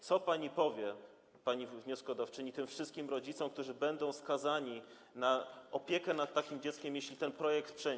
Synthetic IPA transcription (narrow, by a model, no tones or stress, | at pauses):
t̪sɔpaɲipɔvʲjɛ | paɲivɲɔskɔd̪aft͡ʂɘɲit̪ɘmfʂɘst̪kʲimɾɔd͡ʑit̪sɔ̃wkt̪uʐɘbɛnd̪ɔ̃w̃skazaɲi | naɔpʲjɛkɛnat̪ːakʲimd͡ʑɛt̪skʲɛmjeɕlʲit̪ɛnpɾɔjɛk̚t̪pʂɛ